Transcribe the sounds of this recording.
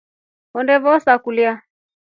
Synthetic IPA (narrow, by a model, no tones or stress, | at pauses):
ɔndɛβɔsakulia